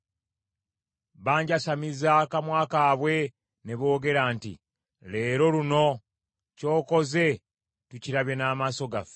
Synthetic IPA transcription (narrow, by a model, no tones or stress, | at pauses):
βaːɲɟasamizakamwaːkaːβwe̞ | ne̞βo̞ːɡe̞ɾaːntḭ | le̞ːɾo̞ɾuno̞ | co̞ːko̞ze̞ | tuciɾaβje̞naːmaːso̞ɡaf